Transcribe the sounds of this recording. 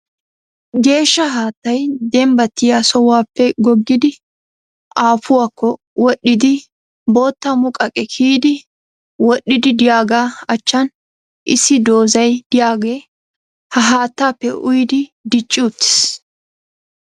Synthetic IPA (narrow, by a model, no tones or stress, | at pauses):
ɡe̞ːʃːɐɦaːt̪ːɐjd̪ɛmbɐt̪ːɪjasɔwaːpːɛɡɔɡːɪd̪ɪ | ʔaːfʊwaːkːɔ | wɔɗːɪd̪ɪ | bo̞ːt̪ːɐmʊkʼɐkʼɛkʰiːd̪ɪ | wɔɗːɪd̪ɪd̪ɪjaːɡaːɐt͡ʃːɐn | ʔɪsːɪd̪o̞ːzɐjd̪̥ɪjaːɡeː | hɐɦaːt̪ːaːpːɛʔʊjd̪ɪd̪ɪt͡ʃʼːʊʊt̪ːɪ̥s